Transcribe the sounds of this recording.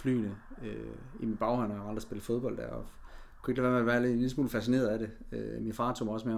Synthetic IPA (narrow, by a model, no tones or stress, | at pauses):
fly̰ːnəø | imid̥̚b̥ɑ̈ʊhɒn̰ɒɑɑ̈nd̥ʁɐsb̥e̝ləfo̝ð̞ˠb̥ɒ̽l̰d̥æɐɒkʰue̝ɡ̥læʋæɐmeʋæɐlelismṵːlfæsinḛːɐð̩ˠæɾe̝øminfɑ̈ːt͡sʰomɒ̽sme